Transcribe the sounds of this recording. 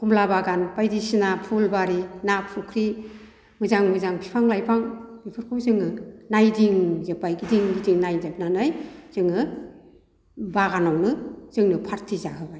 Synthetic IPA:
kumlabaɡanpajdisinapʰulbaɾinapʰukʰɾi | mɯzaŋmɯzaŋbʰipʰaŋlajpʰaŋb̥ipʰɯɾkʰowzɯŋɯnajdiŋzepːajɡidiŋɡidiŋnajzep̚nanɯjz̥ɯŋɯ | baɡanawnɯz̥ɯŋnɯpʰaɾtʰizaɦɯbaj

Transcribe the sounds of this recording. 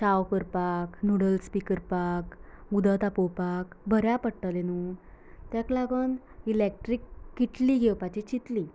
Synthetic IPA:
ɕawkəɾpaknuɽəlspikəɾpakud̪ət̪apɔpakbʱəɾjapəɽʈ̪alenut̪jaklaɡən | ilek̚ʈɾikːiʈliɡʱewpat͡ɕit͡ɕit̪li

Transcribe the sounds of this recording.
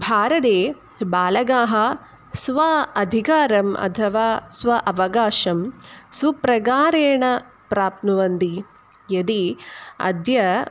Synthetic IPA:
bʱaːɾɐt̪eː | baːlɐɡaːɦɐ | sʋɐɐd̪ʱikaːɾɐmʔɐ̰t̪ʰɐʋaːsʋɐʔɐʋɐɡaːʃɐmsupɾɐɡaːɾeːɳɐ | pɾaːp̪nuʋɐnd̪i | jɐd̪iɐ̰d̪jɐ

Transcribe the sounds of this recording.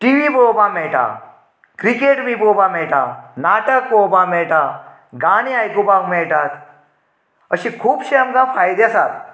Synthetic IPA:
ʈiːʋibobameːʈa̰ | kɾikeːʈbʱiboːbameːʈa̰naːʈək̚bobameːʈa | ɡaːɽ̃iaːjkubakmeːʈaːt̪ | əʃĩkʰuːbʃeəmkafʰaːjd̪jasaːt̪

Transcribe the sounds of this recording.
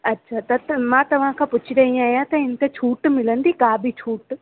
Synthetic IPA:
ɐtːʃʰaːt̪ɐmãːt̪ɐʋ̤ãkʰãːpʊt͡ɕʰiɾɐĩaːɦijãt̪ɐɪn̆t̪et͡ʃʰuːʈmɪlə̃nd̪ikaːbʱit͡ɕʰuːʈ

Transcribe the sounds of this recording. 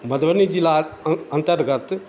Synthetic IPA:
mɐd̪ɐʋɐnid͡ʒilaɐnt̪ɐɾɡaɾt̪ɯ

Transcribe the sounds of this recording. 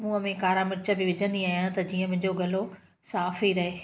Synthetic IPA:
mũːəmẽkaːɾamɪɾɪt͡ɕəbɪʋɪd͡ʑʱə̃nd̪iaːɦijãt̪ɐd͡ʑiːə̃mɪ̃ɦɲd͡ʑoɡɐlo | saːfiɾɐɦeː

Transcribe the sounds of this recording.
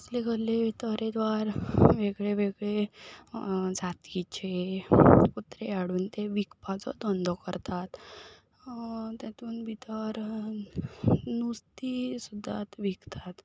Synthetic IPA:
sleɡəlːet̪əɾed̪ʋaɾʋeɡɭeʋeɡɭe | d͡zat̪it͡ɕe | put̪ɾeaɽuːnt̪eʋikpat͡sɔ̰d̪ɔnd̪ʱɔkəɾt̪at̪ | t̪at̪uːnbʱit̪əɾ | nust̪isud̪ʱːa̰t̪ʋiɡt̪ʰat̪

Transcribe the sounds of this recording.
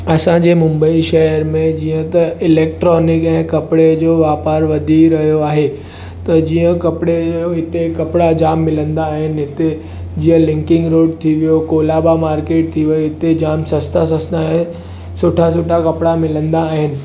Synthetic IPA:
ɐsãd͡ʑeːmʊ̃mbəiʃɐɦəɾmẽd͡ʑiːə̃t̪ɐɪleːk̚ʈɾɔːnɪkɛ̃ːkɐpɽed͡ʑoːʋaːpaːɾʋɐd̪ʱiɾɐɦijoaːɦe | t̪ɐd͡ʑiːə̃kɐpɽejoɦɪt̪ekɐpɪɽad͡ʑaːmːɪlə̃nd̪aːɦɪnɪ̆ɦɪt̪e | d͡ʑiːə̃lɪ̃ŋkɪ̃ŋɡɾoːɖt̪ʰiʋijokoːlaːbamaːɾkeːʈ̚t̪ʰiʋɐiɦɪt̪ed͡ʑaːmsɐst̪ʰas̬ɐsnaːɦe | sʊʈʰas̬ʊʈʰakɐpɪɽamɪlə̃nd̪aːɦɪnɪ̆

